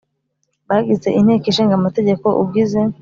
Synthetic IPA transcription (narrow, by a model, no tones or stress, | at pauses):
baɡit͡se̞ʔin̥eːkiʃiːŋɡamate̞ɟe̞ko̞ʔṵb̚ɡize